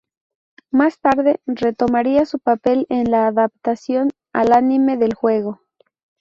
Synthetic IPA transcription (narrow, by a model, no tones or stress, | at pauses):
mast̪aɾðe̞re̞t̪o̞maɾiasupape̞lenlaːðapt̪asjo̞n | a̰lanime̞ðe̞lxwe̞ɣ̞o̞